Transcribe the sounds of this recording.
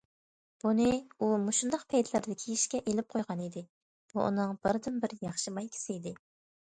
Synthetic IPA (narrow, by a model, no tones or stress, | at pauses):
b̥unɨumuʃund̪ɑqpʰɛjd̪ɪlɪɾd̪ɪkʲʰiiʃkʲɛʔelɪp̚qʰojʁɑnid̪ɪ | b̥uʔṵnɨŋb̥ɪɾd̪ɪnbɪɾjɑχʃɨmɑjkʲʰi̥sɪid̪ɪ